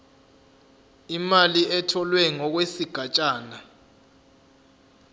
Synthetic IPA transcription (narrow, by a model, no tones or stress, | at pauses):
imaliɛtʰɔlwɛŋɔk̬wesiɡ̥ʱat͡ʃʼaːna